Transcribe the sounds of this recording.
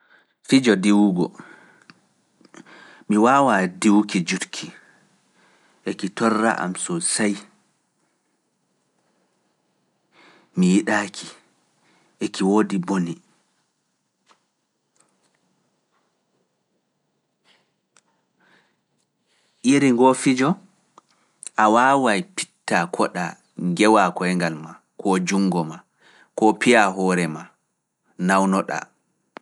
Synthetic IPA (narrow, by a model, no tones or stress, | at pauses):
fid͡ʒɔdiwuɡɔ̰ | miwaːwadiwkid͡ʒutkʰi | ʔekitɔrːa̰ʔa̰msɔsaj | mijiɗaːkʰi | ʔekiwoːdiboni | ʔiɾiŋɡofid͡ʒɔ | ʔawaːwajpi̥tːakʰɔɗa | ŋɡɛwakɔɛŋɡalma | kʰɔd͡ʒuŋɡɔma | kɔpijaɦɔːɾɛma | nawnɔɗa̰